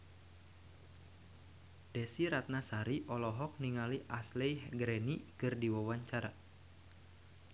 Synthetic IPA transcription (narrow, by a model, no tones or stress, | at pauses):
d̥ɛsiɾat̪̚nasaɾiʔɔlɔɦɔk̚niŋaliʔaslejhɡɾɛnikɨrdiwawaɲt͡ʃaɾa